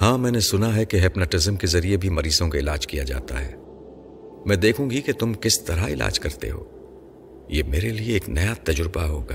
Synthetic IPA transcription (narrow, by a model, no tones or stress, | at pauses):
hãːmɛ̃ːnesʊnaɦɛkeɦɛpnəʈɪzəmkezɐɾiebʱimɐɾiːsõkaɪlaːd͡ʒkija̰d͡ʒa̰ːt̪a̰ɦɛ̰ː | mɛ̃ːd̪eːkʰũɡiket̪ʊmkɪst̪ɐɾaɪla̰ːd͡ʒkɐɾt̪ḛɦo̰ː | jeːmeːɾelieːknɐjat̪ɐd͡ʒɾɪbaɦoːɡaː